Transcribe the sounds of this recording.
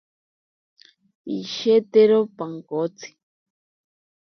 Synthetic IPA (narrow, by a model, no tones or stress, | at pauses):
iʃeteɾopaŋkot͡sʰi̥